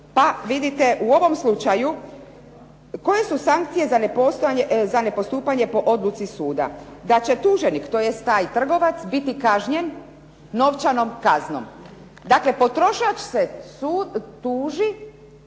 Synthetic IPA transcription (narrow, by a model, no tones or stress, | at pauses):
paʋid̪it̪eʔuo̞ʋo̞mslut͡ʃaju | ko̞je̞susaŋk̚t̪sije̞zanepost̪zane̞po̞st̪uːpaɲe̞po̞ʔo̞d̪lˠut̪sisuːd̪a̰d̪at͡ɕe̞t̪uːʒenikt̪ojest̪ːaːjt̪r̩ɡo̞ʋat̪sbit̪ikaʒɲen | no̞ʋt͡ʃano̞mkazno̰m | d̪akle̞po̞t̪ɾo̞ʃat͡ʃsesut̪uːʒi